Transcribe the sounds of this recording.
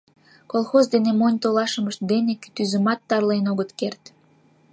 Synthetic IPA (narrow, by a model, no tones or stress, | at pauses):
kolˠxozd̪enemonʲt̪olɑʃəməʃt̪̚d̪eneky̥t̪yzəmɑt̪ːɑrlenoɣət̪kert̪